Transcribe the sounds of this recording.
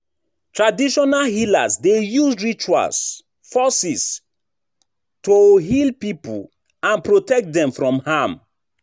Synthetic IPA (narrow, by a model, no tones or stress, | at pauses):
tɹadiʃɔnalhila̰sdejusɹit͡ʃua̰s | fɔsis | toɦilpipṵ | ãnpɹotɛk̚t̚dɛ̃mfɹɔ̃mhãm